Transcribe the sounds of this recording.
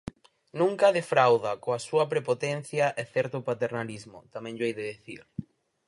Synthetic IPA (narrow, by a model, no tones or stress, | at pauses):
nũŋkɐðefɾawðɐkoasuɐpɾepot̪ɛn̟θjɐʔɛθɛɾt̪ʊpat̪eɾnalizmʊ̰t̪amɛ̃ŋʎoejðeðiθḭɾ